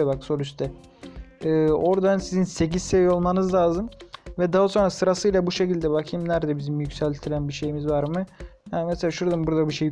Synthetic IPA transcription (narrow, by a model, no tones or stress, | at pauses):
abakso̞ɾyst̪ʰɛ | ɯːo̞ɾd̪ansizinse̞cizsevijo̞lˠmanɯzlʲˠaːzɯmvɛd̪aɦaso̞nɾasɯɾasɯjlˠabuʃe̞cilʲd̪ɛbakʰimnæɾd̪ɛbizimjycsælʲt̪ʰiɾʲænbiʃe̞jimizvaɾmɯjanmɛselʲaːʃuɾad̪ambuɾd̪abiʃej